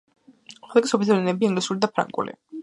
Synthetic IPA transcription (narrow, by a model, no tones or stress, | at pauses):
χɛlˠɛɡisɔpʰit̪ʰɛɾɛnɛbiiŋɡlisulid̪apʰɾã̰ŋɡʼṵlḭ